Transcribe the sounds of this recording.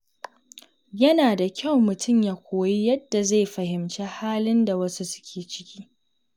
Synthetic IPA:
jɐ˦naː˨da˨kʲa˦˨wmʊ˨tʰʊ˦˨mjaː˦kʷʰoː˨ji˦jɐ˦dːa˨za˦˨jɸɐ˨hɪ˨mt͡ʃeː˦haː˦lɪ˦nda˨wɐ˦su˦sʊ̥˦kʲʰeː˨t͡ʃɪ̥˦kʲiː˦

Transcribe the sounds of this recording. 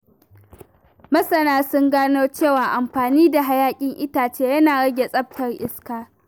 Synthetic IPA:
mɐ˦sɐ˨naː˦sʊ˦ŋɡaː˦noː˦t͡ʃeː˦˨waː˨ʔa˨mɸaː˨niː˦da˨ɦa˨˦jaː˦kʲʼɪ˦ŋʔɪ˦taː˨t͡ʃeː˦jɐ˦naː˨ɽɐ˦ɡʲe˨sʼɐ˦p̚tɐ˨rʔɪ̰˦skaː˦

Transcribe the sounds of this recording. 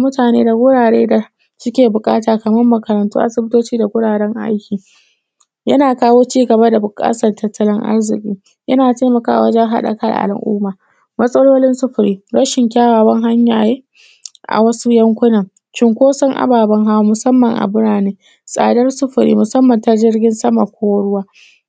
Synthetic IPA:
mʊ˦taː˨nḛː˦da˨ɡʷʊ˦ɽaː˨ɽeː˦da˨ | sʊ˦kʲeː˨bʊ˨kʼa̰ː˦taː˨kɐ˨mɐ˦mːɐ˨kɐ˨ɾɐ˨ntṵː˦ʔa̰˦˨sɪ˦bɪ˦toː˦t͡ʃiː˦da˨ɡʷʊ˦ɽaː˨ɽɛ˦ŋʔa̰˦jkʲiː˨ | jɐ˦naː˨kaː˦woː˦t͡ʃiː˦ɡɐ˨ba˦da˨bʊ˨kʼa̰ː˦sɐ˨rtɐ˦tːɐ˦lɪ˦ŋʔa̰˦rzɪ̰˨kʲʼiː˦ | jɐ˦naː˨ta˦mɐ˨ka̰ː˦ʔa̰˨wɐ˦d͡ʒɛ˦ŋɦa̰˦ɗɐ̰˨kɐ˦ɽ̰ʔa̰˨l̰ʔṵː˦maː˨ | mɐ˦sʼɐ˦loː˦lɪ˦nsʊ˦ɸʊ˨ɾiː˦ɽɐ˦ʃɪ˨ŋkʲaː˦waː˨wɐ˦ŋɦa˦ɲjaː˨jeː˦ | ʔa̰˨wɐ˦su˦jɐ˦ŋkʷʊ˦nɐ˨ŋ | t͡ʃɪ˦ŋkʷoː˦sɐ˦ŋʔa̰˨baː˨bɐ˦ŋɦa˦wmʊ˨sɐ˦mːɐ˨ŋʔa̰˨bʊ˦ɽaː˨neː˦ | sʼa̰ː˨dɐ˦rsʊ˦ɸʊ˨ɾḭː˦mʊ˨sɐ˦mːɐ˨nta˦d͡ʒɪ˦rɡʲɪ˦nsɐ˦ma˨kʷʰoː˦wɽʊ˦waː˦

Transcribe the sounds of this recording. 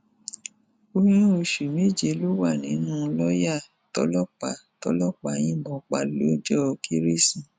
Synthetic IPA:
o˧ñĩ˦o˧ʃu˨me˦˨d͡ʒe˧lo˦wa˦˨nĩ˨˦nũ˦˧lɔ˦ja˦˨ | tɔ̰˨˦lɔ˦˨k͡pa˨tɔ̰˧˦lɔ˦˨k͡pa˨j̃ĩ˦bɔ̃˧˨k͡pa˧lo˦d͡ʒɔ˦˧kʰi˧˦ɾe˦sĩ˨

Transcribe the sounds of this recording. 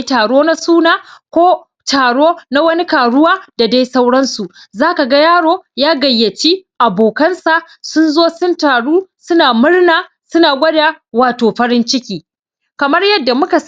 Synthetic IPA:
taː˨ɽoː˦na˦suː˦naː˨kʷoː˦ | taː˨ɽoː˦na˦wɐ˦ni˦kaː˨ɽʊ˦waː˦da˨da˦jsa˦wɽɐ˦nsu˨ʔzaː˦ka˨ɡa˦jaː˦ɽoː˦jaː˦ɡɐ˨jːɐ˨t͡ʃiː˦ʔa˨boː˨kɐ˦nsa˨ʔ | sʊ˦nzoː˦sʊ˦ntaː˨ɽuː˦sʊ˦naː˨mʊ˦rnaː˨ | sʊ˦naː˨ɡʷɐ˦daː˨waː˨toː˨ɸɐ˦ɽɪ˦nt͡ʃɪ˦kʲiː˨ | kɐ˨mɐ˦rjɐ˦dːa˨mʊ˦ka˨s

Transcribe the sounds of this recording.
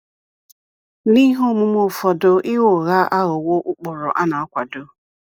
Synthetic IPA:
ni˦ɦo˦˨mʊ˦m˦o˦˨fɔ˨dʊ˨ʔɪ˦ɣo˦˨ɣa˦ʔa˦ɦʊ˨wo˦ʔʊ˦k͡pʊ˨ɾʊ̰˨ʔa˦na˨a˦kʷa˨do˦

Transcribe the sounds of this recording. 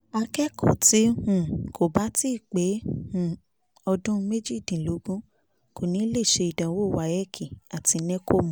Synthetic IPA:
a˧kɛ˦kʰo̰˦˨ti˨˦hũ˦˨kʰo˨ba˦ti˦˨k͡pe˨˦hũ˦˨ | ɔ˧dũ˦˧me˦d͡ʒi˦˨dĩ˨lo˨˦ɡũ˦ | ko˨nĩ˨˦le˦˨ʃe˧i˨dã˨˦wo˦˨wa˨˧˨jɛ˦kʰi˦˨a˨ti˨˧nɛ̃˦ko˦˨mɔ̃˦

